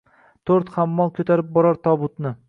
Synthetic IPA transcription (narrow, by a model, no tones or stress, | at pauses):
t̪ʰoɾt̪χamːɒlˠkʲʰɵt̪ʰaɾɪp̚bɒɾɒɾt̪ʰɒbʊt̪nɪ